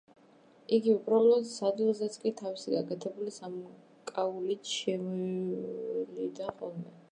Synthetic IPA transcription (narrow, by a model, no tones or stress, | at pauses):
iɡiubɾalˠɔd̪sad̪ilˠzɛt̪sʼkʼit̪ʰavisiɡakʼɛt̪ʰɛbulisam | kʼaulit̪ʃɛmɔ | lid̪aχɔlˠmɛ